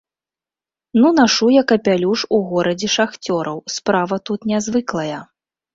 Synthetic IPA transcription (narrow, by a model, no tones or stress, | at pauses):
nunaʂujɐkɐpʲalʲuʂuɣɔɾɐd͡zʲɛʂaxt͡sʲɔɾɐwspɾavɐt̪ut̪nʲazvɨklˠɐjɐ